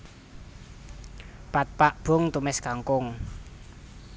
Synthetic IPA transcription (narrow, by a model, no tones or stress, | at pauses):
pat̪̚paʔb̥ʊ̤ŋt̪umɛskaŋkʊŋ